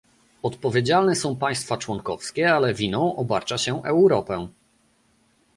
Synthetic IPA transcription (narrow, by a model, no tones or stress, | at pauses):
ɔt̪pɔvʲed͡ʑalnɛsɔ̃w̃paj̃st̪fat͡ʂwɔŋkɔfskʲɛalɛvʲinɔ̃w̃ʔɔbaɾt͡ʂaɕɛʔɛwɾɔpɛ